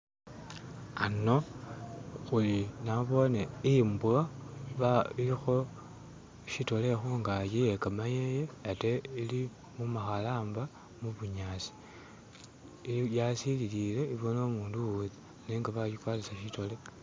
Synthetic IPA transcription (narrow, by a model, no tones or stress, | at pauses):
ano̞ | xulinaβo̞neimbuaβailixo̞ | ʃito̞le̞xuŋɡajijekamajejeateili | mumaxalaːmba | muβuɲaːsi̥ | jasililile̞iβono̞muːnduwuði | neːŋɡaβaʃikwaːtisaʃito̞le